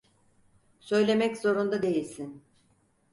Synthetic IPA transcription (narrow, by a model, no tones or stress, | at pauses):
sø̞jlʲe̞mɛczo̞ɾund̪ad̪e̞jilʲsin